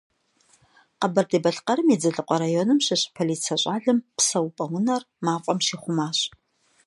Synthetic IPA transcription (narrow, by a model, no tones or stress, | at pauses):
qɐbɐrdeːbɐɬqɐɾɨmid͡zɐɮɨqʷɔɾaːjonɨmɕɪɕʼpʰɐliːt͡sʰɐɕʼaːɮɨmpsɐwpʼɐwʊnɐr | maːqʷʼɔmʃiːχʷʊmaːɕʼ